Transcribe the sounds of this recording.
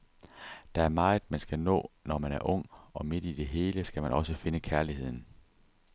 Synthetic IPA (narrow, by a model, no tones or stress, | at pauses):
d̥æ̈æɐmɑ̈ːð̩ˠmænsɡ̥ænɔ̰̽ːnɒmænæɐʔɔ̽ŋ̰ɒ̽mid̥id̥e̝ɦe̝ːləsɡ̥æmænʔɒ̽səfe̝nəkʰæɐlihe̝ð̰ˠn̩